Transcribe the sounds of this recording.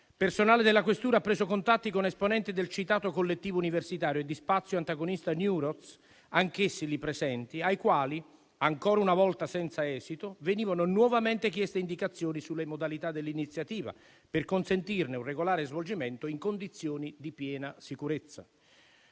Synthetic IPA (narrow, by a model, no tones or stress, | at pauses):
personaːled̪ɪlːakwest̪uːɾapːɾeːsokont̪at̪ːikonesponɛnt̪ɪd̪elt͡ʃit̪aːt̪okolːet̪ːiːvouniversit̪aːɾjoed̪ːispat̪sːjoant̪aɡonist̪anjuɾɔt̪s | aŋkesːilipɾesɛnt̪iajkwaːli | aŋkɔːɾaunavɔlt̪asɛnt̪saɛːzit̪oveniːvanonwɔvament̪ɪkjɛst̪eind̪ikat̪sːjoːnisulːemod̪alit̪ad̪ːelːinit̪sːjat̪iːva̰ | pɪrkonsent̪irnɪunreɡolaːɾezvold͡ʒiment̪oiŋkond̪it̪sjoːnid̪ipjɛːnasikuɾet̪sːa̰